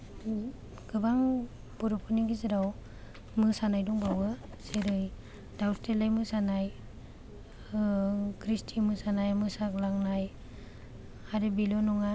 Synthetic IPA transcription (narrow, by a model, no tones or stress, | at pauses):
ɡ̥ɯbaŋ | bɔɾɔpʰɯniɡizɯɾaw | mɯsanajdɔŋbawɯseɾɯj | dawstelajmɯsanaj | kʰɾistʰimɯsanajmɯsaklaŋnaj | aɾebilɔnɔŋa